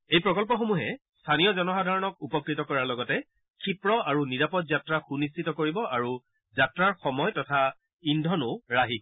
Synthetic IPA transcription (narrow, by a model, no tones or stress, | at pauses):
ejpɹɔkɔlpɔxomuɦɛ | stʰanijɔzɔnɔxadʱaɹɔnɔkupɔkɹitɔkɔɹaɹlɔɡɔtɛ | kʰipɹɔaɹuniɹapɔtzatɹaxunistʰitɔkoɹibɔʔaɹu | zatɹaɹxɔmɔjtɔtʰa | indʱɔnʊɹaɦi